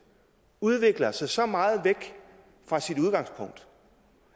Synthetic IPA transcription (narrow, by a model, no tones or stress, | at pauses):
uð̞ˠʋe̝ɡ̥lɐsɑ̈ɪsɒ̽mɑ̈ːð̩ˠʋeɡ̥ | fʁɑ̈sid̥uðˠɡ̥ɑ̈ŋspʰɔ̽ŋ̰d̥